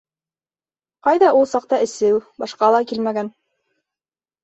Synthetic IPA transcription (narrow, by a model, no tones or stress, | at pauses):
qɑjðɑʔulˠsɑq̚t̪ɑɘ̆sɘwbɑʃqɑlˠɑkilmæɡæn